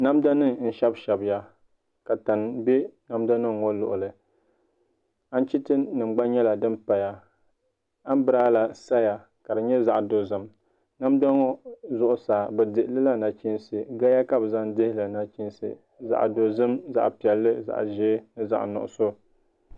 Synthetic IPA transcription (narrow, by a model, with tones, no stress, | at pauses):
na˦mda˦nɨ˦ŋn̩˦ʃɛ˦bʃɛ˨bja˦ | ka˨ta˨n˨bɛ˦na˦mda˦nɨ˦ŋːo˦lʊ̰˨ʔʊ˨lɨ˨ | a˦n˦t͡ʃi˦tɨ˦nɨ˨m˦ɡ͡ba˦nɲɛ˦la˨dɨ˦mpa˨ja˨ | a˦m˦bɨ˦ɾaː˦la˨sa˦ja˨ | ka˨dɨ˨ɲɛ˦za˨ʔdo˨zɨ˨m | na˦mda˦ŋo˦zʊ˦ʔʊ˦saː˨bɛ˨dɨ˨ʔlɨ˦la˦na˨t͡ʃi˦nsɨ˨ɡa˦ja˦ka˦bɨ˨za˦ndɪ˦hɪ˦lɨ˨na˨t͡ʃi˦n˦sɨ̰˨ | za̰˨ʔdo˨zɨ˦mza̰˨ʔpi˨ɛ˨lːɨ˦za̰˨ʔʒeː˦nɨ˦za̰˨ʔnʊ˨ʔʊ̰˨so˦